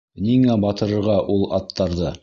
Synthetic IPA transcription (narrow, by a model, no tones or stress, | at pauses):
niŋæbɑt̪ɤ̆ɾɤ̆ɾʁɑʔulˠɑ̰t̪ʰːɑɾðɤ